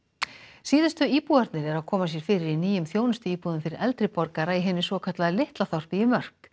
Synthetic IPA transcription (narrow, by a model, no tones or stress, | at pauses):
siːðʏst̪ʏiːpuaɾt̪nɪɾɛɾawkʰɔːmasjɛɾ̥fɪːɾɪɾiniːjʏmθjoːwnʏst̪ʏiːpuðʏmfɪɾɪɾʔɛlt̪ɾɪpɔɾkaɾaiɦɛːnːɪsvɔːkʰat̪laðlɪht̪laθɔr̥pijɪmœr̥k